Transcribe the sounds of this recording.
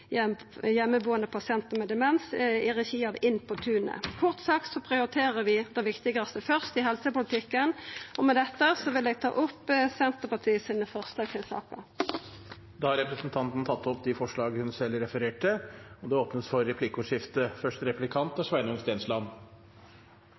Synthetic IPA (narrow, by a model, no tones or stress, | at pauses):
ɛ | jɛmːəbuːənəpʰɑsɪɛnt̪əmɛd̪ɛmɛnsɪʁɛçiːɑʋɪnpʰɔt̪ʰʉːnə̰kʰʊʁt̪sɑkt̪sɔpʰʁɪʊɾɪt̪ʰeːʁəʋɪd̪ɛʋɪkt̪ɪɡɑst̪əfœʁst̪ɪɦɛlsəpʊlɪt̪ʰɪkːənɔmɛd̪ɛt̪ːəsɔʋɪlɛɡt̪ʰɑ̰ːʔʊpːsɛnt̪əpɑt̪ʰiːsiːnəfœʁst̪ɑsɪnsɑ̰ːkə̰ | d̪ɑhɑɾɛpɾəsnt̪ʰɑnt̪n̩t̪ʰɑt̪ːɔpd̪ɪfɔʂɭɑːɡəhʉnsɛlːɾɛfəɾeːʈəɔd̪ɛoːpnəsfɔɾːɛpʰlɪkʊʂɪft̪əfœʂʈ̪ɾɛplɪkʰɑnt̪ɑʂʋæɪnʊŋst̪eːnslɑn